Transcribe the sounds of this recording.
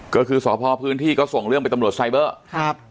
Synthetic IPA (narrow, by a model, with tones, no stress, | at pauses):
kɔː˥˩kʰɯː˧sɔː˩˦˥pʰɔː˧pʰɯː˦˥nt̪ʰiː˥˩kɔː˥˩so˨˩ŋɾɯ˥˩əŋpa˧jt̪mɾu˨˩ət̪sa˧jbɤː˥˩˦